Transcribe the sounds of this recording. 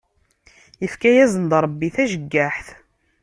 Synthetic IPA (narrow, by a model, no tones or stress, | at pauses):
jəfkæjæzənd̪ɾˤəbːiθæʒəɡːaħθ